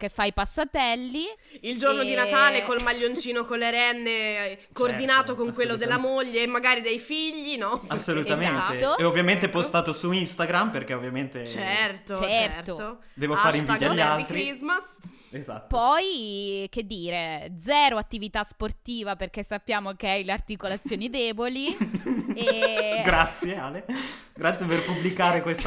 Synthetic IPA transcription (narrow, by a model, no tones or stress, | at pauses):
kefːajpasːat̪ɛlːi | ild͡ʒornod̪inat̪aːlekolmaʎːont͡ʃt͡ʃiːnokonlːeɾɛnːekoːrd̪inaːt̪okoŋkwelːod̪elːamoʎːeːmːaɡaːɾid̪ejfiʎːinɔasːolut̪azmenat̪eːoovːjament̪epost̪aːt̪osuinst̪aɡɾamperkeovːjament̪et͡ʃɛrt̪ot͡ʃɛt͡ʃrt̪oo | d̪ɛːvofaːɾiɱvid̪jaʎːalt̪ɾiizmas | eza̰t̪ːpɔjked̪ːiːɾed̪zɛːɾoat̪ːivit̪asport̪iːvaperkesːapːjaːmokeajleart̪ikolat̪sːjoːnid̪ɛːboli | ɡɾat̪sːjealeɡɾat̪sjeperpubːlikaːɾekwest̪